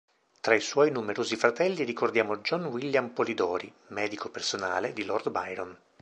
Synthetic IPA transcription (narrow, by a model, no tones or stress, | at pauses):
t̪ɾaiswɔjnumeɾoːzifɾat̪ɛlːiɾikord̪jaːmod͡ʒɔnwilːjampolid̪ɔːɾi | mɛːd̪ikopersona̰ːled̪ilɔrd̪bajɾɔn